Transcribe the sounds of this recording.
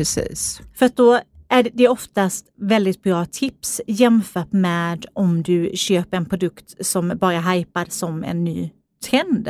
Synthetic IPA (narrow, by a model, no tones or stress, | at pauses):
ɾɛsḭːsfœɾat̪̚d̪ɔæɖd̪ɛɾɔft̪ast̪vɛld̪ɪt̪̚bɾɑːt̪ʰɪpsjɛmfœːʈmɛːd̪ɔmd̪ɵɕøːpəɾɛnpʰɾʊd̪ɵkt̪sɔmbɑːɾaɦajpaɾsɔmɛ̰nːy̰ː | t̪ʰɾɛnd̪